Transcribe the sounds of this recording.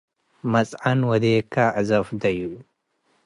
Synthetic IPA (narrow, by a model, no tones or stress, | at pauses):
mɐt͡sʼʕɐnwɐd̪eːkaʕzɐfd̪ɐju